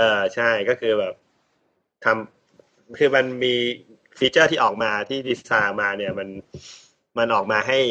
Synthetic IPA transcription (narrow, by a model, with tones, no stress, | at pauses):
ʔɤː˧t͡ɕʰa˥˩jkɔː˥˩kʰɯː˧bɛː˨˩p̚ | t̪ʰa˧m | kʰɯː˧ma˧nmiː˧ | fiː˦˥t͡ɕɤː˥˩t̪ʰiː˥˩ʔɔː˨˩k̚maː˧t̪ʰiː˥˩di˦˥saː˧maː˧ni˥˩ɐma˧n | ma˧nʔɔː˨˩k̚maː˧ɦa˥˩j